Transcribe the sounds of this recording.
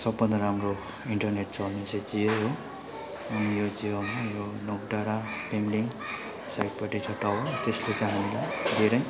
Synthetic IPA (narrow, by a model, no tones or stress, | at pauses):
sʌbːʌnʌɾamro | iɳʈʌrneʈ̚t͡sʌlnet͡sʰed͡zijoɦo | ʌnijod͡zijʌmajonok̚ɖaɽapemliŋ | sajʈ̚paʈʰit͡sʰʌʈawot̪eslet͡sãɦanilajd̪ʱeɾʌj